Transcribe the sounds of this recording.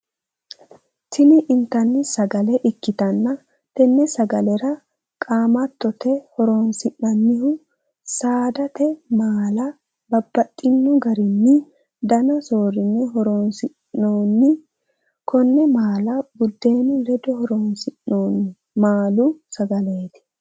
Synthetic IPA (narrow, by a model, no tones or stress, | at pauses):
t̪ɪnɪʔɪnt̪ːɐnːɪsɐɡɐlɛʔɪkːɪt̪ɐnːɐ | t̪ɛnːɛsɐɡɐlɛɾɐ | kʼaːmɐt̪ːɔt̪ɛhɔɾoːnsɪʔnɐnːɪhʊ | saːd̪ɐt̪ɛmaːlɐ | bɐbːɐt̪ʼːɪnːɔɡɐɾɪnːɪ | d̪ɐnɐso̞ːɾɪnːɛɦɔɾoːnsɪʔoːnːɪ | kʰɔnːɛmaːlɐbʊd̪ːe̞ːnɪlɛd̪ɔhɔɾoːnsɪʔoːn | maːlʊsɐɡɐle̞ːt̪ɪ̥